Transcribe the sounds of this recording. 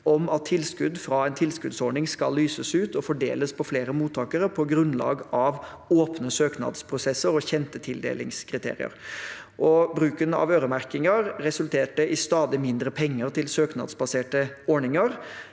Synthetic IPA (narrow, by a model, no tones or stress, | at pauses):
ɔmɑt̪ʰːɪlskʉd̪fɾɑːɛɪnt̪ʰɪlskʉd̪sɔɳɪŋskɑlːyːsəsʉːt̪ɔfɔɖḛːləspʰɔfleːɾəmuːt̪ʰːɑːkəɾəpʰɔɡɾʉnlɑ̰ːɡɑʋ | oːpnəsøːknɑ̰d̪spʰɾʊsɛsəɾɔçɛnt̪ət̪ʰɪld̪ḛːlɪŋskʰɾɪt̪ʰḛːɾɪ̰ə̰ɾ | ʔɔbɾʉːkənɑ̰ʋøːɾəmæɾkɪŋəɾɾɛsʉlt̪ʰeːʈəʔɪst̪ɑːd̪ɪmɪnd̪ɾəpʰɛŋːəɾt̪ʰɪlsøːknɑ̰d̪sbɑseːʈəɔɳɪŋəɾ